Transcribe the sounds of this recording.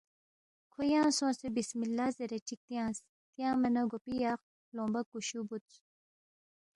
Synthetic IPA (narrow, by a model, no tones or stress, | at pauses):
kʰojãːsõːsebismilːaːzeɾet͡ʃʰik̚t̪jãːs | t̪jãːmɐnɐɡopijaːq | lõːmbɐkːuɕubut̪t͡s